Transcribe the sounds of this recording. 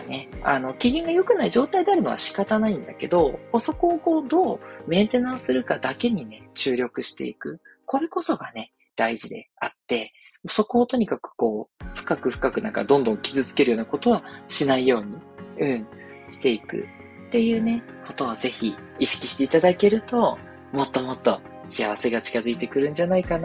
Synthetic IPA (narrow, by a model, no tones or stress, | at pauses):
ne̞a̰no̞kʲiɡʲĩŋɡajo̞kɯ̟naiʑo̞ːt̪aid̪e̞aɾɯ̟no̞βa̰ɕi̥kat̪anaĩnd̪a̰ke̞d̪o̞oso̞ko̞ːko̞ːd̪o̞ːmẽ̞nt̪e̞nãɰ̃sɨɾɯ̟kad̪ake̞ɲ̟ine̞t͡ɕɨːɾʲo̞kɯ̟ɕi̥t̪e̞̰ḭkɯ̟ | ko̞ɾe̞ko̞so̞ɡane̞ | d̪̥aiʑid̪e̞̰at̪ːe̞ | oso̞ko̞ːt̪o̞ɲ̟ikakɯ̟̥ko̞ːɸɯ̟̥kakɯ̟ɸɯ̟̥kakɯ̟na̰ŋka̰d̪õ̞nd̪õ̞ŋkʲizɨt͡sɨ̥ke̞ɾɯ̟jo̞ːnako̞t̪o̞βaɕinaijo̞ːɲ̟iɯ̟̃ɴ | ɕi̥t̪e̞ikɯ̟̰ | t̪ːe̞jɯ̟ːne̞ | ko̞t̪o̞βaze̞çiiɕi̥kʲiɕi̥t̪e̞it̪ad̪ake̞ɾɯ̟t̪o̞ | mo̞t̪ːo̞mo̞t̪ːo̞ | ɕiaβase̞ɡat͡ɕi̥kazɨit̪e̞kɯ̟ɾɯ̟̃nɲ̟d͡ʑanaikan